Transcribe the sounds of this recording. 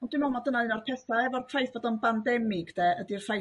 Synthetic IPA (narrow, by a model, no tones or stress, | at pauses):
ɔndɪmɔmɔdənaɨnɔrpʰɛsaɛvɔrpʰr̥ajθb̥oːdɔnbandɛmɪɡdɛədirfaj